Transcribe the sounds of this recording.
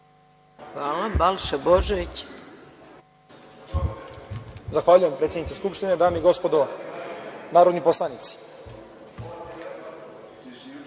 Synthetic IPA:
xʋaːlabalʃeboʒeit͡ɕ | zaxʋaːʎujempɾet̪sʲjenit̪eskupʃt̪ined̪aːmiɡo̞spod̪o | naːɾo̞d̪nipo̞slˠanit̪si̥

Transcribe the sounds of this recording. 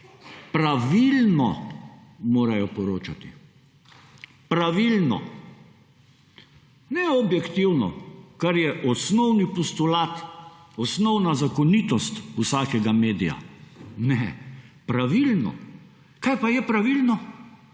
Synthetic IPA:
pɾaʋilnɔ̰ | moːɾajɔpɔɾoːt͡ʃat̪i | pɾaʋilnɔ̰ | nɛɔbjɛkt̪iwnɔ̰kaɾjɛʔɔsnɔwnipɔst̪ʊlaːt̪ɔsnɔwnazakɔnit̪ɔst̪usaːkɛɡameːd̪ija̰nɛpɾaʋilnɔ̰ | kajpajɛpɾaʋilnɔ

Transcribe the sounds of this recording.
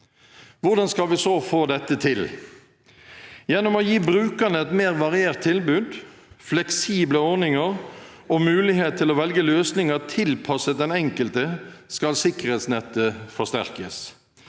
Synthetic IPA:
ʋʊʁd̪ɑnskɑlʋɪsoːfoːd̪ɛt̪ːət̪ʰɪl | jɛnːɔmɔjiːbɾʉːkənəɛt̪meːʁʋɑʁɪeːʁt̪ʰːɪlbʉːd̪ | flɛksiːbləɔʁnɪŋəɾɔmʉːlɪheːt̪t̪ʰːɪlɔːʋɛlɡəløːsnɪŋət̪ʰɪlpʰɑsəd̪ɛnɛŋkəlt̪əskɑlsɪkəʁeːt̪snɛt̪ːəfɔst̪æ̰ʁkəs

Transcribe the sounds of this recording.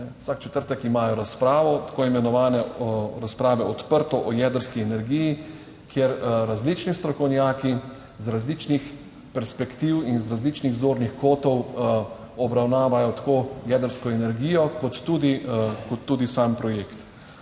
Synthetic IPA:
ɛwsakt͡ʃɛ̥t̪əɾt̪ɛkimaːjɔɾaspɾaːʋɔt̪ḁkoːimɛnɔʋaːnɛɾaspɾaːʋɛɔt̪pəɾt̪ɔʔɔjɛːd̪əɾskiɛnɛɾɡiji | kʰjeɾɾazlit͡ʃnist̪ɾɔkɔwnjaːki | zɾazlit͡ʃnix | pɛɾspɛkt̪iwinzɾazlit͡ʃniɣzoːɾnixkoːt̪ɔw | ɔbɾawnaːʋajɔt̪ḁkoːjɛd̪əɾskɔɛnɛɾɡiːjɔkɔt̪ːuːd̪ikɔt̪ːuːd̪isaːmpɾɔjeːkt̪

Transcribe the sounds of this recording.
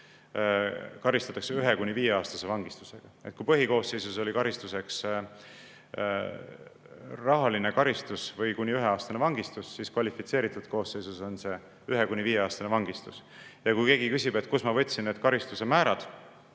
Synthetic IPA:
kɑɾist̪ɑt̪ːˑɑkseyɦe̞kuniviːjeɑːst̪ɑse̞vɑŋɡist̪u̥se̞ɡ̥ɑe̞t̪̚kuipɤɦiko̞ːsːe̞jsuso̞lʲikɑɾist̪use̞ks | rɑɦɑline̞kɑɾist̪usvɤjkunʲːiyɦe̞ɑːst̪ɑnevɑŋɡist̪usːiskvɑlʲifit̪se̞ːɾit̪ːˑud̪̥ko̞ːsːe̞jsuso̞nse̞ | yɦe̞kunʲiviːje̞ɑːst̪ɑnevɑŋɡist̪usjɑkujke̞ːɡikysʲib̥e̞t̪kusmɑvɤt̪ʲːˑsinneːd̪̥kɑɾist̪use̞mæːɾɑd̪̥

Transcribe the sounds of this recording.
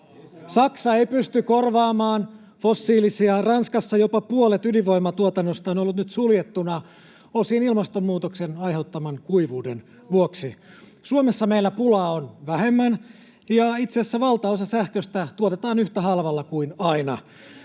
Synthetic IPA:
sɑksɑeipyst̪ykorʋɑːmɑːn | fosːiːlisiɑrɑnskɑsːɑjopɑpuolet̪yliʋo̞imːɑt̪uot̪ɑnːost̪ɑonolːut̪nyt̪suljet̪ːunɑ | osienilmɑst̪omːuːt̪oksenɑjɦe̞wt̪ːɑmɑŋkuiʋuːden | ʋuoksi | suomesːɑmeilːæpulɑːonʋæhemːæn | jɑit̪seæsːæʋɑlt̪ɑosɑsæhkøst̪æt̪uot̪et̪ɑːnyht̪æhɑlʋɑlːɑkuinɑinɑ

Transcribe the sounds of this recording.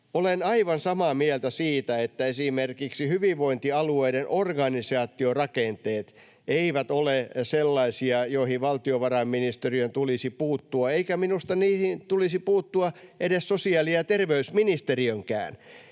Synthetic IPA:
olenɑiʋɑnsɑmɑmielt̪æsiːt̪æet̪ːæesimerkiksihyʋiʋʋoint̪iɑlueidenʔorɡɑnisɑːt̪ːˑiorɑkent̪eːt̪ | eiʋæt̪oleselːɑisiɑjoihiʋʋɑlt̪ioʋɑrɑmːinist̪eriønt̪ulisipuːt̪ːuɑeikæminust̪ɑniːhint̪ulisipuːt̪ːuɑʔedessosiɑːlijɑt̪erʋeysminist̪eriøŋkæ̰ːn

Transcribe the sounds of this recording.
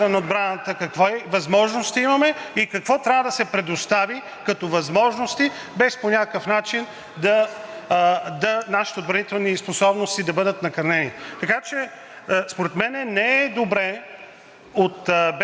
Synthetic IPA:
ɐnɐod̪bɾanət̪əkɐkvoɛvɐzmɔʒnost̪imɐmɛikɐkvɔt̪ɾʲavəd̪ɐsɛpɾɛd̪ost̪avi | kɐt̪ɔvɐzmɔʒnost̪i | bɛsponʲakkəfnat͡ʃin | d̪ɐ | d̪ɐnaʃi̥t̪ɛod̪̚bɾɐnit̪ɛlˠnisposɔbnost̪id̪ɐbɤd̪ət̪nɐkɐɾnɛnit̪ɐkat͡ʃɛ | spoɾɛt̪mɛnɛnɛɛd̪obɾɛ | ot̪b

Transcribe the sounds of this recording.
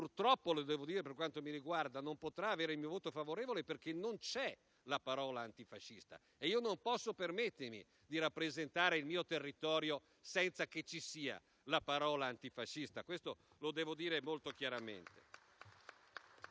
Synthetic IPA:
purt̪ɾɔpːolod̪ɛːvod̪iːɾeperkwant̪omiɾiɡward̪anompot̪ɾaːveːɾeilmiːovoːt̪ofavoɾeːvoleperk̟enont͡ʃɛ | lapaɾɔːlaːnt̪ifaʃːist̪a̰ | eiːonompɔsːopermet̪ːermḭ | d̪iɾapːɾezent̪aːɾeilmiːot̪erːit̪ɔːɾjo | sɛnt̪sak̟et͡ʃːisiːa̰ | lapaɾɔːlaːnt̪ifaʃːist̪akwest̪o | lod̪ɛːvod̪iːɾemolt̪ok̟jaɾamḛnt̪e̥̰

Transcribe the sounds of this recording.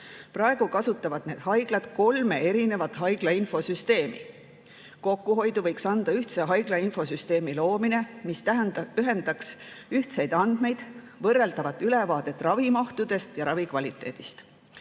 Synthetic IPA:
prɑeɡ̥ukɑsut̪ːˑɑvɑd̪̥ne̞ːd̪ɦɑjɡ̥lɑd̪̥ko̞lme̞e̞ɾine̞vɑt̪ːˑɦɑjɡ̥lɑinfo̞syst̪e̞ːmḭ | ko̞kːuɦo̞jd̪uvɤ̞jksɑnd̪̥ɑyht̪seɦɑjɡ̥lɑinfo̞syst̪eːmilo̞ːmine̞mist̪æɦend̪ɑksyht̪se̞jd̪ɑnd̪̥me̞jd̪̥ | vɤrːeld̪ɑvɑt̪ˑyle̞vɑːd̪e̞t̪ːˑrɑvimɑht̪ud̪̥e̞st̪jɑɾɑvikvɑlit̪ːˑe̞̰ːd̪̥ist̪

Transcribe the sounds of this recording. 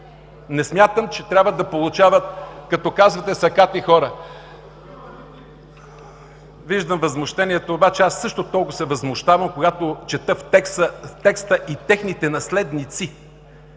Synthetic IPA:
nɛsmʲjat̪əmt͡ʃɛt̪ɾʲabvəd̪ɐpolˠʊt͡ʃavət̪̚kɐt̪ɔkazvɐt̪ɛsɐkat̪ixɔɾə | viʒd̪əmvɐzmoʃt̪ɛniɛt̪oːbat͡ʃɛasːɤʃt̪ot̪ɔlˠkʊsɛvɐzmʊʃt̪avɐmkoɡat̪ot͡ʃɛt̪əfɛkət̪ɛkst̪əʔit̪ɛxnit̪ɛnɐslɛd̪nit̪si

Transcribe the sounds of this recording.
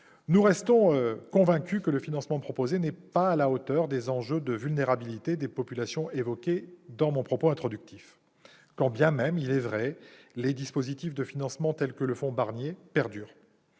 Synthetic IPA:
nuʁɛst̪ɔ̃økɔ̃vɛ̃kʲykələfinɑ̃smɑ̃pχɔpozenɛpaːlaot̪œʁd̪ezɑ̃ʒød̪əvylneʁabilit̪ed̪epɔpylasjɔ̃ʔevɔkʲed̪ɑ̃mɔ̃pχɔpoɛ̃t̪χɔd̪yk̚t̪if | kɑ̃bjɛ̃mɛmilɛvʁɛled̪ispozit̪ifd̪əfinɑ̃smɑ̃t̪ɛlkələfɔ̃baʁnjepɛʁd̪yːʁ

